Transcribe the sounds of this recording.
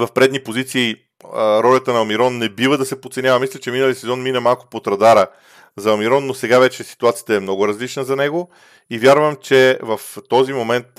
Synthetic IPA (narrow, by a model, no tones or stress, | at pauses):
vɐfpɾɛd̪nipozit̪siː | ɾɔlʲɐt̪ənɐmiɾɔnːɛbivəd̪ɐsɛpot̪sɛnʲjavəmislʲɛt͡ʃɛminəlˠisɛzɔnminəmalˠkʊ̥pot̪ɾɐd̪aɾə | zɐɐmiɾɔnːosɛɡavɛt͡ʃɛsi̥t̪uat̪sijət̪ɐɛmnɔɡʊɾɐzlit͡ʃnəzɐnɛɡo | ivʲjaɾvəmt͡ʃɛvɐft̪ɔzimomɛnt̪̚